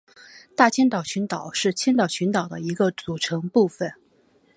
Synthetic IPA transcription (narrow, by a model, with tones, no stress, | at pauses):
t̪a˥˩t͡ɕʰjɛ˥nt̪ɑ˨˩ʊɕʰy˧˥nt̪ɑ˨˩ʊʂɻ̩˥˩t͡ɕʰɛ˥nt̪ɑ˨˩ʊt͡ɕʰy˧˥nt̪ɑ˨˩ʊd̪ə̰˦i˧˥ɡə˧t͡su˨˩ʈ͡ʂʰɤ˧˥ŋpu˥˩fə˨˩n